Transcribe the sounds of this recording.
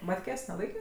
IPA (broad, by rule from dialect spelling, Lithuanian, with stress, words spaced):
ˈmɑːtʲkʲeːsʲ nʲɛˈlˠɐɪkʲeː